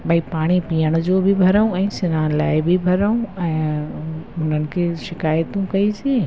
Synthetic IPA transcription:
bʱaipaːɽ̃ipijəɽ̃d͡ʒobʱibʱɐɾəũɛ̃sɪnãlaːebʱibʱɐɾəũɛ̃ | ʊnənɪ̆kʰeʃɪkaːjət̪ũkɐid͡ʒiẽ

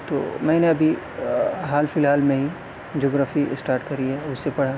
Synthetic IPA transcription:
t̪o̰ːmɛ̃ːneɐbʱi | ɦaːlfɪlɦaːlmẽɦi | d͡ʒoːɡɾaːfḭsʈaːɾʈkɐɾiɦɛʊsːepɐɽ̤a

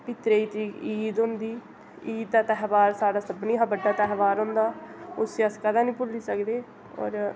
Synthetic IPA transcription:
pɪt̪ɾeːiːt̪iːkiːd̪ɦʊ̃nd̪iː | iːd̪̚aːt̪ɛɦʋaːɾsaːɽaːsəbniːɦaːbəɖːaːt̪ɛɦʋaːɾɦʊ̃nd̪aːʊsiːəskəd̪ãːnĩːpʊlːiːsəkd̪eː | ɔ̰ːɾ

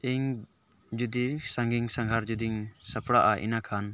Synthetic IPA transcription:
iŋ | d͡ʒud̪isaŋɡiŋsaŋɡʱaɾd͡ʒud̪iŋsapʰɽaʔaʔḭnakʰan

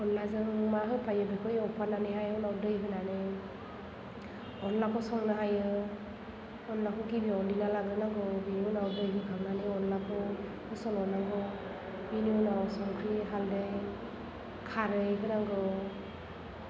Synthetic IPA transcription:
ɔnlazɯŋmaɦɯpʰajɯbikʰɯjɔpʰananeɦajɔnawdɯjɦɯnane | ɔnlakʰɔsɔŋnaɦajɯ | ɔnlakʰɔɡibiɔndinalaɡɾɯnaŋɡɯbiniɔnawdɯjɦɯkʰaŋnaneɔnlakʰɔ | hɯsɔlɔnaɡɔ | biniɔnawsɔŋkʰɾiɦalde | kʰaɾɯjkʰɯnaŋɡɯ

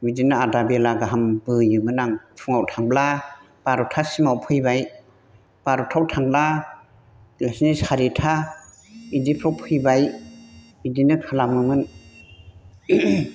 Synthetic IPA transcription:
widinɯadabelaɡaɦambɯjɯmɯnaŋtʰuŋawtʰaŋbla | b̥aɾɔtʰasimawpʰɯjbaj | b̥aɾɔtʰawtʰaŋbla | lasnishaɾitʰa | idipʰɾawpʰɯjbaj | idinɯkʰalamɯmɯn

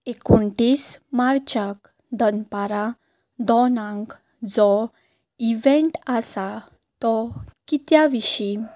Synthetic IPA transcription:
ekoɳʈismaɾt͡ɕak | d̪ənpaɾa | d̪ɔnãŋk | d͡zɔ | iʋẽɳʈasa | t̪ɔkit̪jaʋiɕi

